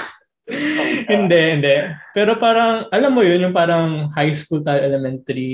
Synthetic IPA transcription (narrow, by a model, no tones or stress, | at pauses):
hɪnd̪ɛʔhɪnd̪ɛʔpɛːɾo̞paːɾɐŋʔɐlamːojonjʊŋpaːɾɐŋhajskult̪alʔɛlɛmɛnt̪ɐɾi